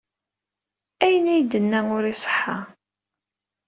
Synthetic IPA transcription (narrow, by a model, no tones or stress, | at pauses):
æjənæjd̪ənːæŋʊɾisˤə̥ħːa